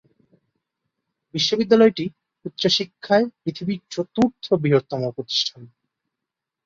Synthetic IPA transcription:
biʃːobid̪ːalɔeʈi | ut̪ːɕoʃikʰːaepɾit̪ʰibit͡ɕot̪uɾt̪ʰobiɦoɾt̪ːɔmopɾot̪i̥ʃʈʰan

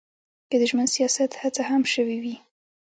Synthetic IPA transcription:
kəd̪əʒmənsijɑsat̪hat͡sahamʃəwiwi

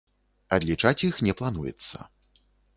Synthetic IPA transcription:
ɐd̪lʲit͡ʂat͡sʲixnʲɛplˠanujɛ̰t̪sːɐ̰

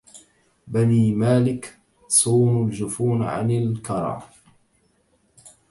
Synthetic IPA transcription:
baniːmaːlɪk | sˤuːnʊld͡ʒʊfuːnʕa̰nɪlkɑɾˤɑ̰ː

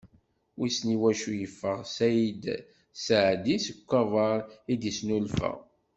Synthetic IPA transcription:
wisniwæʃujəfːəʁsæjəd̪ | səʕd̪isəkʷːɑvˤɑɾˤid̪isnulfə̰ʁ

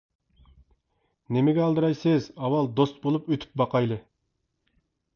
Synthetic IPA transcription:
nemɪɡʲɛɑlˠd̪ɨɾɑjsɨzɑwɑlˠd̪ost̪̚bolˠupøt̪ʰy̥p̚bɑqɑjlˠɨ

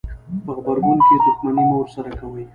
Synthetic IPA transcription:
pəxbaɾɡʊnked̪ʊxmanimowɾsaɾakawəj

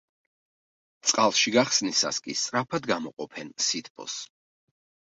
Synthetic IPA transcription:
t̪sʼqʼalˠʃiɡaχsnisa̰skʼist̪sʼɾapʰad̪ɡamɔqʼɔpʰɛnsit̪ʰpʰʼɔ̰s

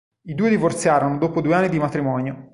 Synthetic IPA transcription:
id̪uːed̪ivort̪sjaːɾonod̪oːpod̪ueanːid̪imat̪ɾimɔːnjo

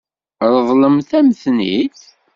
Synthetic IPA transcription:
ɾðˤləmθæməθniθ

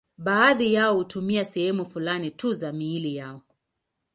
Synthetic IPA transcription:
ɓaːðijaɔhutumiasɛhɛmufulanituzamiːlijaɔ

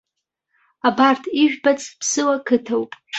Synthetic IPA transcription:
abartʰiʒᶣbat͡sʰʼpʰsɨwakʰɨtʰawpʼ

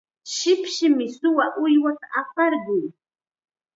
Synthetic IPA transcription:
ʃɪpʃɪmɪsʊwaʔʊjwat̪aʔapɑɾɢʊj

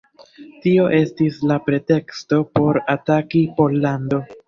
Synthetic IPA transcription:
tio̞ʔe̞stislapɾe̞te̞ksto̞po̞ɾatakipo̞lːando̞

